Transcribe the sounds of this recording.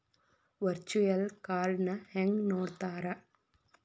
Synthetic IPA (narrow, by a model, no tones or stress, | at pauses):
ʋɐɾt͡ʃujɐlkaːɾnɐheŋɡnoːɾt̪aːɾɐ